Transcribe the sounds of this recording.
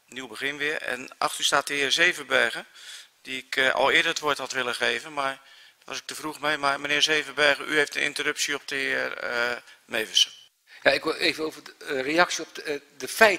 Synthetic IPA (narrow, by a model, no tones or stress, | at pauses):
niwbəɣɪnʋɪəɛ̰nʔa̰xtystaːtəɪːərzeːvəbɛːɣəd̥iɪkɔ̰lˠɪədərətʋoəthɑtʋɪlˠəɣeːvənmar | tʋɑsɪk̚təvruɣmejmarmənɪːzeːvəbɛːɣəʔy̰hejftənɪ̰ntərɵpsiɔp̚təɪərəmeːvəsə̥ | jaɪkʋɪeːvəowvərejɑksjəɔpdəfɛj